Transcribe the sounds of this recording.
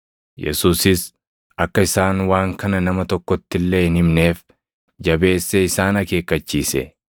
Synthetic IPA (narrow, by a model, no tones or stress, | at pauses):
jɛ̰suːsɪs | ɐkːɐɪsaːnwaːŋkɐnɐnɐmɐt̪ɔkːɔt̪ːɪlːeːɪnhɪmne̞ːf | d͡ʒɐbe̞ːsːeɪsaːnɐke̞ːkːɐt͡ʃːiːsɛ̰